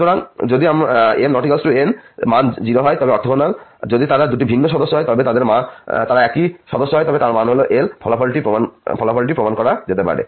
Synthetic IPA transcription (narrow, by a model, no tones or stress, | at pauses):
ut̪oɾaŋd͡ʑod̪iamennɔʈikalsʈuenmand͡ʑiɾoɦɔjt̪ɔbeɔɾt̪ʰobonald͡ʑod̪it̪aɾad̪uʈibʱinːoʃɔd̪oʃːoɦɔjt̪ɔbet̪ad̪eɾmat̪aɾaɛkiʃɔd̪oʃːoɦɔjt̪ɔbet̪aɾmanɦoloʔelpʰɔlapʰɔlʈipɾomanpʰɔlapʰɔliʈ̬ipɾomankɔɾad͡ʑet̪epa̰ɾḛ